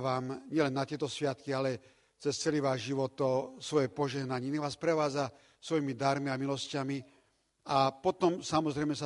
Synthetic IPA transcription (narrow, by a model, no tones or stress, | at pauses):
ʋaːmɲɪɛlɛnːat̪ɪɛt̪ɔsʋɪat̪kialɛ | t͡sɛst͡sɛliʋaːʒʒiʋɔt̪ɔsʋɔjɛpɔʒɛɦnaɲɛnɛʋaːspɾɛʋaːd͡za | sʋɔjimid̪aɾmiamilɔscami | apɔt̪ɔmsamɔzɾɛɪmɛsa